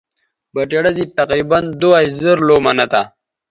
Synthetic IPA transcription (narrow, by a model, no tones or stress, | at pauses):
bɐʈeɽazit̪aqɾiband̪oazəɾlomanat̪a